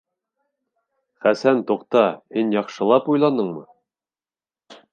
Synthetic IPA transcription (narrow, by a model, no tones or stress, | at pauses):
χæsænt̪uqt̪ɑhinjɑqʃɤ̆lˠɑpujlˠɑnɤɴmɤ